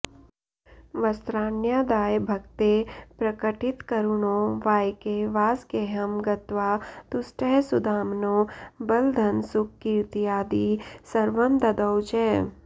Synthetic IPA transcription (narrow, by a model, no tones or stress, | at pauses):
ʋɐst̪ɾaːnjad̪aːjbʱɐkt̪epɾɐkəʈɪt̪kɐɾunoʋaːjkeʋaːskeɦɐmɡɐt̪ʋaːt̪ʊsʈɛɦsʊd̪ʱaːmnobɐld̪ʱɐnsʊkːiɾt̪ijaːd̪isɐɾʋəmd̪ɐd̪əwt͡ʃɛː